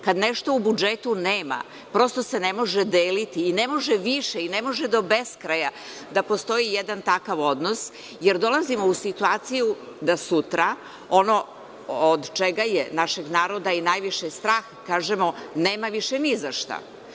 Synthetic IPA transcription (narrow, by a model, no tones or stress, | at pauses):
kad̪neʃt̪oubud͡ʒet̪uneːma̰ | pɾo̞st̪ose̞nemo̞ʒed̪eːlit̪iːnemo̞ʒeʋiʃeinemo̞ʒed̪o̞be̞skɾaja | d̪apo̞st̪o̞jijed̪ant̪akaʋo̞d̪no̞s | jeɾd̪o̞lazimo̞usit̪uaːt̪sijud̪asut̪ɾa | o̞no̞ | od̪t͡ʃeɡajenaʃe̞ɡnaːɾo̞d̪ainajʋiʃest̪ɾaːxkaːʒemoneːmaʋiʃenizaʃt̪a̰